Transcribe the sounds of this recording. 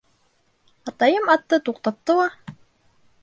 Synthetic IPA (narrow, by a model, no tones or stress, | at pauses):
ɑt̪ɑjɤmɑt̪ːɤt̪uqt̪ɑp̚t̪ɤlˠɑ